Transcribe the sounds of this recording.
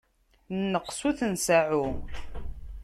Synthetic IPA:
nːəqːsuθənsaʕu

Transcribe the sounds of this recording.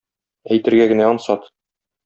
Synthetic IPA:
æjt̪ɘ̆ɾɡæɡɘ̆næɒnsɑt̪

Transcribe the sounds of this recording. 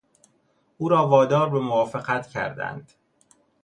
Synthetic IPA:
ʔuːɾɒːvɒːd̪ɒːɾbemovɒːfeɣæt̪cʰæ̰ɾd̪æ̰nd̪̥

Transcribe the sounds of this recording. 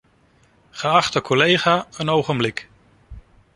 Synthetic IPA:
χəɑχtəkʰɔlejχaːənowχənblɪk

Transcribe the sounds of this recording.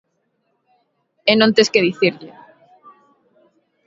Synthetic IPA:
enõnt̪eskeðiθiɾʎe

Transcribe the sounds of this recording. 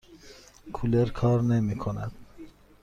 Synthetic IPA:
kʰuleɾkʰɑːɾnemikʰonæd̪̥

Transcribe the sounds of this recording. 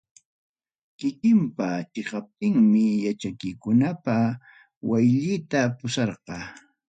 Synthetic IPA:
kɪkɪmpat͡ʃɪqɑp̚t̪ɪŋmɪjat͡ʃakɪjkʊnapa | wajʎɪːt̪apʊʃɑɾqɑː

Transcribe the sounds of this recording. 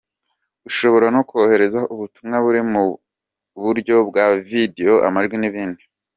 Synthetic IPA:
ɡ̥uʃo̞βo̞ɾanokohe̞ɾe̞zaʔuβutumŋaβuɾimu | βuɾɟo̞bɡavideo̞ʔa̰maʒɡwiniβiːndi

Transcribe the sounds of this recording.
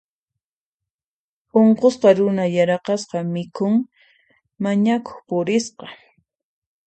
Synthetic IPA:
oɴqosqɑɾʊnajaɾɑqɑsqɑmɪkʰʊŋ | maɲako̥χpʊɾɪsqɑ

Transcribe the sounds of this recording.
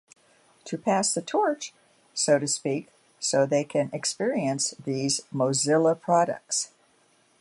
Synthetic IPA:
tʰɨpʰæsðɨtʰɔɹt͡ʃ | soʊɾɨspik | soʊðeɪkʰɨ̃nɨkspɪɹiɨ̃nsðizmoʊzɪlˠəpʰɹ̥ɑɾɨ̰k̚ts

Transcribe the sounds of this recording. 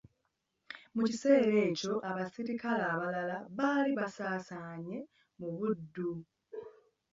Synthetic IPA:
mucise̞ːɾe̞ːco̞ʔaβasiɾikalaːβalalaβaːliβasaːsaːɲe̞ | muβudːu

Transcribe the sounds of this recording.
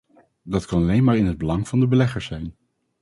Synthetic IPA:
dɑtkɑnɑlejnmaːɹɪnɦəd̚bəlɑŋv̥ɑndəbəlɛχəɹsɛjn

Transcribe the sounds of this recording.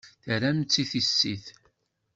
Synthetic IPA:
θəɾæmt͡sːiθisːiθ

